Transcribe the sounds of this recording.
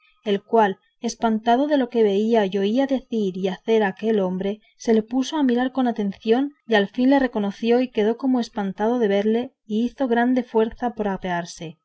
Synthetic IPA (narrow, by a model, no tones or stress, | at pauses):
e̞lkwal | e̞spant̪að̞o̞ðe̞lo̞ke̞βe̞iajo̞iaðe̞θiɾiaθe̞ɾake̞lo̞mbɾe̞ | se̞le̞puso̞amiɾaɾko̞nat̪e̞nθjo̞nialfinle̞re̞ko̞no̞θjo̞ike̞ðo̞ko̞moe̞spant̪að̞o̞ðe̞βe̞ɾle̞ | iiθo̞ɣ̞ɾand̪e̞fwe̞ɾθapoɾapeaɾse̞